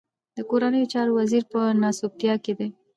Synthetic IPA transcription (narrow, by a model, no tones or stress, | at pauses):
d̪əkoɾanəjot͡ʃɑɾowaziɾpənɑsopjɑked̪e